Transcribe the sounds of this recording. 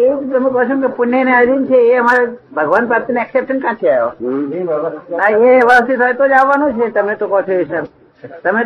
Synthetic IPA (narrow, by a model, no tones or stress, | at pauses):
et̪əmẽkəɦt͡ʃʰũmkepʊnjenead͡ʒint͡ʃʰeːəmaɾebʱəɡʋanpɾaɾt̪ineɛksepʃənkãt͡ʃʰiajo̰ | aeʋast̪it̪ɦɔjt̪od͡ʒaʋːanũt͡ʃʰet̪əmet̪okɔt͡ʃʰeiʃna | t̪əme